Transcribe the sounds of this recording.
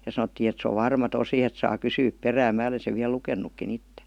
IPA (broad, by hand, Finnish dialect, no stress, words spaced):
jɑ sɑnotːiː et se oʋ ʋɑrmɑ tosi et sɑː kysyːp peræːm mæː ole seʋ ʋiæl lukenˑukːin itːe